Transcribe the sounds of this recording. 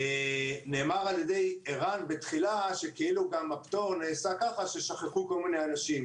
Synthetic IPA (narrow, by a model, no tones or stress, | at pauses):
ne̞ːmaʁaljede̞jiʁanbet̪χilaʃe̞kiiluɡamapt̪o̞ʁneːsakaχaʃe̞ʃaχeχuko̞lmineanaʃim